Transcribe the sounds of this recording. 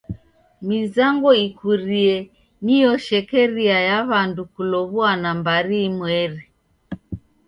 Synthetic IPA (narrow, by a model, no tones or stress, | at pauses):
mizaŋɡɔikuɾiɛ | nijɔʃɛkɛɾiajaβandukulɔβuanambaɾimwɛɾɛ